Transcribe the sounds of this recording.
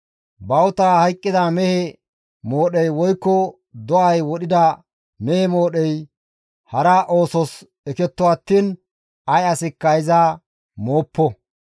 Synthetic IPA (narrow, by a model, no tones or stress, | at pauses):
bɐwt̪aːhɐjkʼːɪd̪amɛhɛ | mo̞ːɗɛjwɔjkːɔ | d̪ɔɐjwɔɗɪd̪ɐ | mɛhɛmo̞ːɗɛj | hɐɾɐʔo̞ːsɔs | ɛkɛt̪ːɔɐt̪ːiːn | ɐjɐsɪkːɐɪza | moːpːɔ